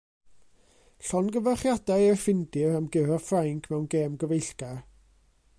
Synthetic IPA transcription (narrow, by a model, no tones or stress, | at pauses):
ɬɔnɡəvaχjadajərfɪndɪɾamɡɪɾɔfraŋkʰmɛwnɡeːmɡəvejɬɡ̥ar